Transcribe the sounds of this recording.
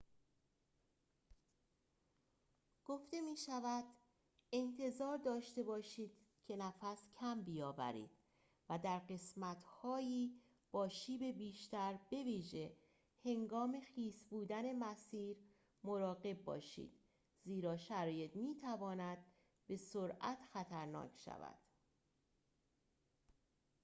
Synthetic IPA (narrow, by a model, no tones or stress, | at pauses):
ɡ̥o̞ft̪e̞miːʃævæd̪̥ | e̞nt̪ʰe̞zɒːɾd̪ɒːʃt̪e̞bɒːʃiːd̪̥ | cʰe̞næfæscʰæmbijɒːvæ̰ɾḭːd̪̥ | væd̪æɾɢe̞smæt̪ʰhɒːjiː | b̥ɒːʃiːbe̞biːʃt̪æɾb̥e̞viːʒe̞ | he̞ŋɡɒːme̞xiːsbuːd̪æne̞mæsiːɾ | moɾɒːɣe̞b̚ːɒ̰ːʃḭːd̪̥ | ziːɾɒːʃæɾɒːje̞t̪miːt̪ʰævɒːnæd̪̥̚ | be̞soɾæt̪xæt̪ʰæɾnɒ̰ːcʃæ̰væ̰d̪̥